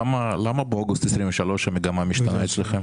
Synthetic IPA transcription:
amalamabeoɡust̪esʁiɱveʃalo̞ʃhameɡamamiʃt̪anaet͡sleχem

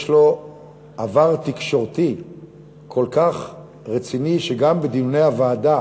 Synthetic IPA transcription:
ʃlo̞ | avaʁt̪ikʃo̞ʁt̪i | kʰo̞lkaχ | ʁet͡siniʃeɡambed̪ijunejavaːda

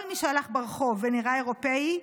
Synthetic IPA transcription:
lmiʃealaχbeʁχo̞veniʁae̞ʁo̞pei

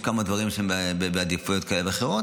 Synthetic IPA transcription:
kamad̪vaʁimʃeembbebead̪ifujot̪̚kaeleveχeʁot

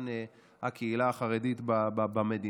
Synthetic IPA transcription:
n | hakeilaːχaʁedit̪babbamed̪i

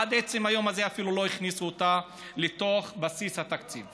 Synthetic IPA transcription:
ad̪et͡semajo̞maze̞afilulo̞iχnisuot̪a | let̪o̞χbasishat̪akt͡sḭv

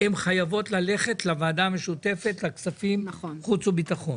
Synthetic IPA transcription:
emχajavo̞t̪lale̞χe̞tlavaːdame̞ʃute̞fe̞tlaksafimnχut͡subitaχo̞n

